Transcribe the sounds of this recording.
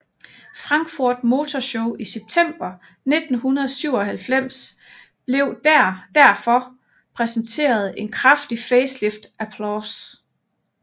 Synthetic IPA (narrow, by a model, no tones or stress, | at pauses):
fʁɑ̈ŋɡ̥fuɐ̰d̥mo̝ːt͡sʰɒɕoʊiseb̥̚t͡sʰem̰b̥ɐ | ned̥n̩ɦunɐðˠsyʊ̰ɒ̽ɦælfem̰s | b̥le̝ʊ̰d̥æɐd̥æɐ̰fɒ̽ | pʰʁɛsnt͡sʰe̝̰ːɐð̞̩ˠe̝nkʰʁafd̥ifeːslefd̥æpʰlɔs